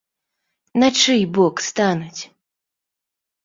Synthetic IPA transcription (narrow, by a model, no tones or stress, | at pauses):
nat͡ʂɨjbɔkst̪anut͡sʲ